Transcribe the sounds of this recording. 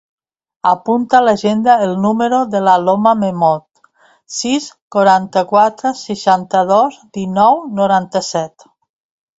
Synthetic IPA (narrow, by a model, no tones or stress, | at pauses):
apunt̪alaʒend̪aelˠnuməɾoðəlalomamemɔt̪ | siskoɾant̪əkwat̪ɾəsəʃant̪əðozd̪inɔwnoɾant̪əsɛt̪